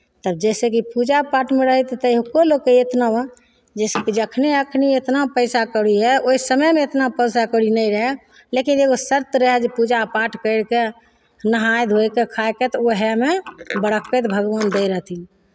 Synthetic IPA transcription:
t̪əb̚d͡ʒɛsekipud͡ʒapaʈmeɾəɦət̪t̪əjɦkolokːeet̪nawə | d͡ʒɛsekid͡ʒəkʰneəkʰniet̪napəɪsakəɽiɦɛoisəməjmeet̪napəɪsakəɽinɛiɾəɦɛ | lekineɡosəɾt̪ɾəɦɛd͡ʒepud͡ʒapaʈkəɪɽke | nəɦajd̪ʱojkekʰaeket̪ɔoɦɛmebəɽəkːət̪bʱəɡʋənd̪ejɾəɦt̪ʰi

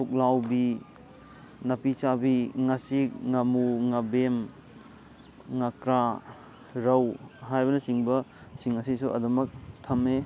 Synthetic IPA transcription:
tuk̚lawbi | nɐpisabiŋasik̚ŋɐmuŋɐbem | ŋakɾa | ɾɐwɦajbɐnɐsiŋbɐsiŋɐsisuɐ̰dɐmɐk̚tʰɐme

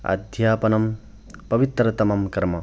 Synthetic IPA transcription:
a̰d̪ʱjaːpɐnɐm | pɐbit̪ɾɐt̪ɐmɐmkɾmɐ

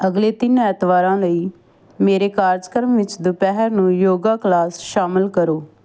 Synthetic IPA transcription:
əɡleːt̪ɪnɛːt̪ʋaːɾãːləiː | meːɾeːkaːɾd͡ʒkəɾmʋɪt͡ʃd̪ʊpɛːɦəɾnũːjoːɡaːklaːsʃaːmɪlkəɾoː

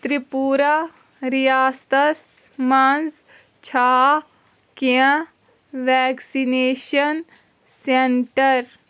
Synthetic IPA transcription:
t̪ɾipuːɾa | ɾijaːst̪ɐsmanz | t͡ʃʰaː | kiə̃ | ʋɛːksineːʃɐn | seɳʈɐɾ

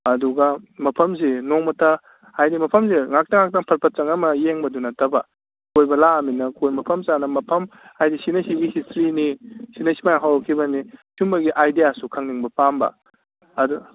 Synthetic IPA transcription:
ɐduɡɐmɐpʰɐmzenoŋmɐtʰɐ | ajdimɐpʰɐmzeŋak̚tɐŋak̚tɐŋpʰɐɾpʰɐt̚t͡ʃɐŋɐmɐjeŋbɐdunɐtʰɐbɐ | kojbɐlaːminɐkʰojmɐpʰɐmsanɐmɐpʰɐmajdisinɐsiɡihistʰɾinisinɐsimajɦawɾɐkʰibɐnisumbɐɡiʔajdijasukʰɐŋniŋbɐpambɐ̰ | ɐdu

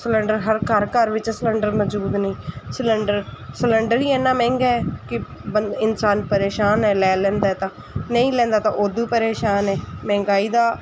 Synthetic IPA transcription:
sələɳɖəɾɦəɾkəɾkəɾʋɪt͡ʃːsələɳɖəɾməd͡ʒuːd̪nĩːsələɳɖəɾsələɳɖəɾiːɛːnaːmɛ̃ːŋɡɛːkɪ | bəɪnsaːnpəɾeːʃaːnɛːlɛːlɛ̃ːnd̪aːɛt̪ãː | nəĩːlɛ̃ːnd̪aːt̪ãːʔoːd̪uːpəɾeːʃaːnɛːmɛ̃ːŋɡaːiːd̪aː

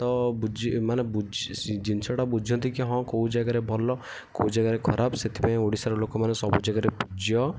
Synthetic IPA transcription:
t̪ɔbud͡ʒimanebud͡ʒd͡ʒinsɔʈabud͡ʒʱɔ̃nt̪ikiɦɔ̃koud͡ʒaɡaɾebʱɔlɔ | koud͡ʒaɡaɾekʰɔɾabset̪ʰi̥paĩoɽisaɾɔlokɔmanesɔbud͡ʒaɡaɾepud͡ʒjɔ

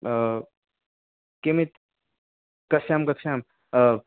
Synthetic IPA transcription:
kemet̪ | kɐsaːmkɐksaːm

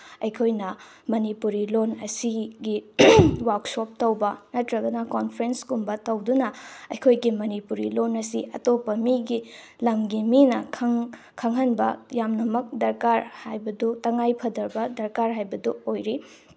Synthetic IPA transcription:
ɐjkʰojnɐ | mɐnipuɾilonɐsiɡiwaksop̚tɐwbɐnɐtɾɐɡɐnɐkonpʰɾenskumbɐtɐwdunɐɐjkʰojɡimɐnipuɾilonɐsiʔɐ̰topːɐmiɡi | lɐmɡiminɐ | kʰɐŋɦɐnbɐjamnɐmɐk̚dɐɾkaɾhajbɐdutɐŋajpʰɐdɐɾbɐdɐɾkaɾɦajbɐduojɾi

